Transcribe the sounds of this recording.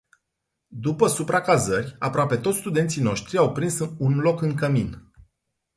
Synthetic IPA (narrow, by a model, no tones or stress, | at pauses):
d̪upəsupɾakazərʲapɾoape̞t̪ot̪sʲst̪ud̪e̞nt̪sino̞ʃt̪ɾiawpɾinsunlo̞kɨŋkəmin